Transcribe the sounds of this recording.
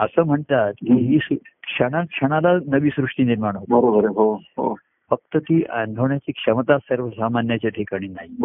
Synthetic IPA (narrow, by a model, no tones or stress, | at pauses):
əsəːm̤əɳt̪at̪kiɦiːskʂəɽ̃akʂəɽ̃alanəʋiːsɾuʂʈiːniɾmaɳ̃ɦot̪bəɾobəɾeɦoɦo̰ | fək̚t̪ət̪iːʔʔa̰nd̪ʱoɳjat͡ɕiːkʂəmət̪asəɾʋəsamanjat͡ɕjaʈʰikaɽ̃iːnaɦi